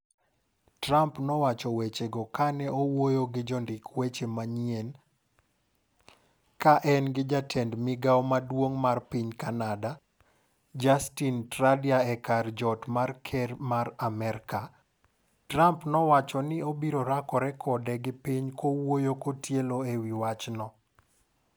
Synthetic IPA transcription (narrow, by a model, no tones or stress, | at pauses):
trampnɔwat͡ʃɔwet͡ʃeɡɔkanɛowojoɡɪd͡ʒɔndɪkwet͡ʃemaɲjen | kaʔɛnɡɪd͡ʒatʰɛndmɪɡawmadwoŋmarpiɲkanada | d͡ʒastintɾadiaɛkard͡ʒɔtmarkʰɛɾmaɾamɛɾka | tɾampnɔwat͡ʃɔnɪobiɾoɾakɔɾɛkʰɔdɛɡɪpɪɲkowojokotjeloewiwat͡ʃnɔ